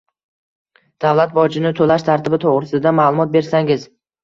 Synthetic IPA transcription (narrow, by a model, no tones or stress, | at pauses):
d̪̥avlat̪̚bɒd͡ʒɪnɪt̪ʰolaʃt̪ʰaɾt̪ɪbɪt̪ʰoʁɾɪsɪd̪amaːlˠʊmɒt̪̚be̞ɾsaŋɪz